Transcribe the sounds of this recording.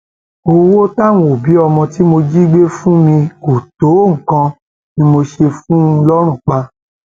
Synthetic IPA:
o˧wo˦ta˦˨w̃ɔ̃˧o˨bi˨˦ɔ˧mɔ̃˧ti˦mo˧d͡ʒi˦ɡ͡be˦fũ˦mĩ˧o˨to˨˦˨ŋ̩˨kã˧ | nĩ˦mo˧ʃe˧fũ˦˧lɔ˦ɾ̃ũ˦˨k͡pa˧

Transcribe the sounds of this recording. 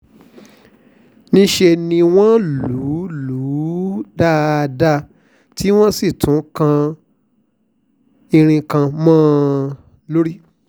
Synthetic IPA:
nĩ˧ʃe˧nĩ˧w̃ɔ̃˦lu˨˦lu˨˦da˦˧da˧ | ti˦w̃ɔ̃˦si˦˨tʰũ˨˦kã˧ | i˧ɾ̃ĩ˧kã˧mãː˦˨ | lo˦ɾi˦

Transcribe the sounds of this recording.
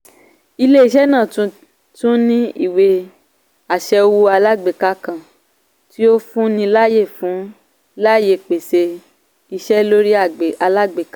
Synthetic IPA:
i˧le˦i˦˧ʃ̬ɛ˦nã˦˨tũ˧ | tũ˦nĩ˦ḭ˦˨we˧ | a˨ʃɛ˧wu˧a˧la˦ɡ͡be˨ka˧kã˨ | ti˦o˦fũ˦nĩ˧la˦je˦˨fũ˨˦ | la˦je˧˨k͡pe˨se˧ | i˧ʃɛ˦lo˦ɾi˦a˦˨a˧la˦ɡ͡be˨ka˦

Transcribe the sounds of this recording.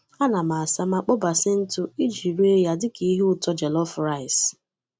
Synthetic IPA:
a˦na˨ma˨a˨sa˦m˦a˦˨k͡pɔ˦ba˨sɪ˦n̩˦tʊ˦i˦d͡ʒi˨ɾu˦e˦ja˦dɪ˦ki˦i˦ɦʊ˦˨tɔ˦d͡ʒɛ˨lɔ˦fɾa˦˨ɪ˨s

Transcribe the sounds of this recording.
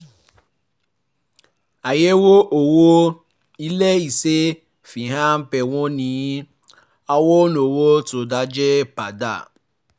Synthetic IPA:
a˨je˦wo˦ʔo˨wo˦ | i˦le˦i˨se˦ | fi˨ɦã˦m̩˦pɛ˨w̃ɔ̃˦nĩ˨˦ | a˦wo˦no˨wo˦to˨da˨˦d͡ʒɛ˦pa˨da̰˦˨

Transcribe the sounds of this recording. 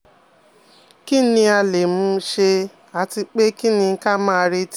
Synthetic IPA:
ki˦nĩ˧a˧le˨mũ˧ʃe˧ | a˨ti˧k͡pe˦ki˦nĩ˧˦ka˦mãː˦˧ɾe˧t

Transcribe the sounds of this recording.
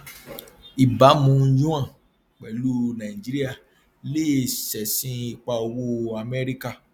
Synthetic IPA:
i˨ba˨˦mũ˦d͡ʒũ˦ã˦˨ | k͡pɛ˨lu˦nã˨i˨d͡ʒi˨˦ɾi˦a˦˨ | le˦˨sɛ˨sĩ˦i˧k͡pa˧o˧wo˦a˧mɛ˦ɾi˦ka˦˨

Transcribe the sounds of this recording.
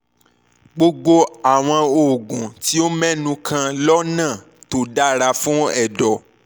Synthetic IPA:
ɡ͡bo˧ɡ͡bo˧a˨w̃ɔ̃˧o˨ɡũ˨ti˦o˦mɛ̃˦nũ˧kʰã˧lɔ˦nã˦˨ | to˨da˦ɾa˧fũ˦ɛ˦˨dɔ˨

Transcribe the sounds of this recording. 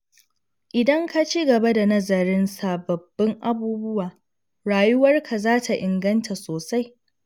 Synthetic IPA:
ʔɪ˨dɐ˦ŋka˦t͡ʃi˦ɡɐ˨ba˦da˨nɐ˦zɐ˨ɾɪ˦nsa˨bɐ˨bːɪ˦ŋʔa˦buː˦bʊ˦waː˨ | ɾaː˨jʊ˦wɐ˦rkʰa˨zaː˦tʰa˨ʔɪ˨ŋɡɐ˦ntʰa˨soː˨sa˦j

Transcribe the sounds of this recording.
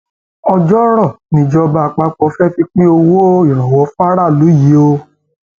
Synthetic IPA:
ɔ˧d͡ʒɔ˦ɾɔ˦˨nĩ˧˨d͡ʒɔ˧ba˧a˧k͡pa˧k͡pɔ˧˦fɛ˦fi˧k͡pĩ˦o˧wo˦i˨ɾ̃ã˨wɔ˨˦fũ˦a˦ɾa˦˨lu˨˦ji˨˦o˧

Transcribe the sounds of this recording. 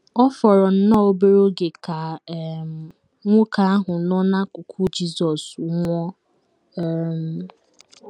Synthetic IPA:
ɔ˦fɔ˨ɾɔ˨n̩˦nɔ˦o˦be˦ɾo˦ɡe˨ka˨˦ | ŋʷʊ˦ka˨a˦ɦʊ˨nɔ˦na˦kʊ˨kʰu˦d͡ʒi˦sɔ˨sʊ˨˦ŋʷɔ˦˨ | m˦

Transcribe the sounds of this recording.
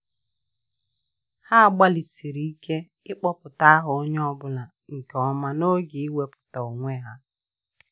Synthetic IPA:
ha˦a˨ɡ͡ba˦li˨si˨ɾi˨i˦ke˦ | ɪ˦k͡pɔ˦pʊ˨ta˦a˦ɦʊ˨o˦ɲ˦ɔ˦bʊ˦la˨ | ŋ̩˨kɔ˨ma˨no˦ɡi˨i˦we˦pʊ̥˨ta˨o˨ŋʷe˦ɦa˦

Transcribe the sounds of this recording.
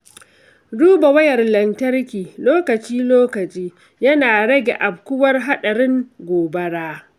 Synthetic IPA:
duː˦bɐ˨wɐ˦jɐ˨rlɐ˨ntɐ˦rkʲiː˨loː˦kɐ˨t͡ʃiː˦loː˦kɐ˨t͡ʃʼiː˦ | jɐ˦naː˨ɽɐ˦ɡʲḛ˨ʔa˨b̚kʷʊ˦wɐ˦rɦa˦ɗɐ˨ɽɪ˦ŋɡʷoː˨bɐ˦ɽaː˦

